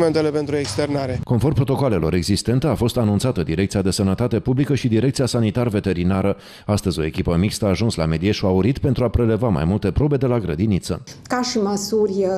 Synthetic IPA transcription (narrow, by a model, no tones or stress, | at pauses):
ment̪elepent̪ɾuekst̪ernaɾeko̞nfo̞rpɾo̞t̪o̞koale̞lo̞ɾe̞ɡzist̪e̞nt̪eafo̞st̪anunt̪sat̪əd̪iɾe̞k̪̚siad̪e̞sənət̪at̪e̞publikəʃid̪iɾekt̪sijasanit̪arve̞t̪e̞ɾinaɾə | ast̪əzʲo̞e̞kʲipəmikst̪əaːʒunsla̰me̞d̪ie̞ʃuauɾit̪pe̞nt̪ɾuapɾe̞le̞vama̰jmult̪e̞pɾo̞be̞d̪e̞laɡɾəd̪init̪sə̰kaʃiməsurʲ